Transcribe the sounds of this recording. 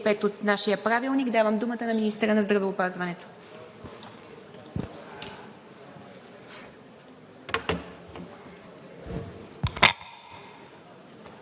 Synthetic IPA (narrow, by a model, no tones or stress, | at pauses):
pɛt̪ot̪naʃijəpɾavilˠniɡd̪avəmd̪umət̪ənɐminist̪əɾənɐzd̪ɾɐvɛopazvɐnɛt̪o̥